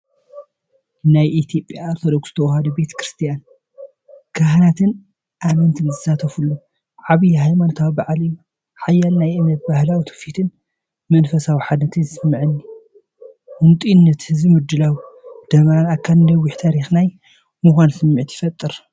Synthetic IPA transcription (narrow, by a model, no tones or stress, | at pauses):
najʔit̪ʰjo̞pʼjaoɾt̪ʰod̪oksɨ̥t̪ʰɐwhad̪ɐbe̞t̪ʰɐ̥kɾɨst̪ʰijan | kʰɐhnat̪ʰɨn | ʔamɐnt̪ʰɨnzɨzat̪ʰɐfulːu | ʕaβijɦajmanot̪ʰawbaʕaliju | ħajːalnajʔɨmnɐt̪̚bahlawit̪ʰɐ̥fit̪ʰɨn | mɐnfɐsawiħad̪nɐt̪ʰɨnzɨsɨmːɨʕɨnːi | wʊnt̪ʼinːɐt̪hɨzimud̪ːɨlawd̪̥ɐmanakʰːand̪ɐwːiħt̪ʰaɾixnaj | mɨxʷansɨmːɨʕit̪ʰjɪ̥fɐt̪ʼːɨɾ